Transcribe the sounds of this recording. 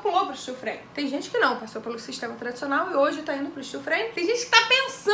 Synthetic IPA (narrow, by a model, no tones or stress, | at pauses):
kõowt̪ɾʊʃt͡ʃifɾḛ̃nt̪ẽj̃ʒẽt͡ʃɪ̥kɪnɐ̃w̃pasopelʊsiʃt̪ẽmɐt̪ɾad͡ʒisionawɪoʒɪt̪aĩd̪ʊpɾʊʃt͡ʃiwfɾẽnɪẽj̃ʒẽnt͡ʃɪkɪ̥t̪apẽsɐ̃